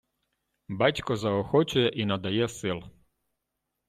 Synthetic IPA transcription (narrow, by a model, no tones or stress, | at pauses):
bat͡ʃkɔzaɔxɔt͡ɕujɛʔinad̪ajesilˠ